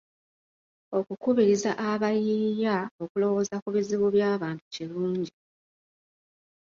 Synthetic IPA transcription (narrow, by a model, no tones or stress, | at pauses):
o̞kukuβiɾizaʔaβajijao̞kulo̞wo̞zakuβiziβuβjaːβaːntu̥ciluːɲɟi